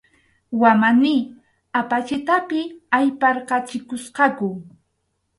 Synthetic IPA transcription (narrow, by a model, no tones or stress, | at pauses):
wamanɪ | apat͡ʃɪt̪apɪajpɑɾqɑt͡ʃɪkʊsqɑkʊ